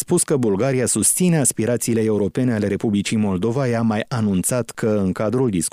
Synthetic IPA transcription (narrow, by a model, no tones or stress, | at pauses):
spuskəbulɡaɾiasust̪sine̞aspiɾat̪siːle̞e̞uɾo̞pe̞ne̞ale̞ɾe̞publit͡ʃimo̞ld̪o̞vajamajanunt̪sat̪kʰəɨŋkad̪ɾuld̪isk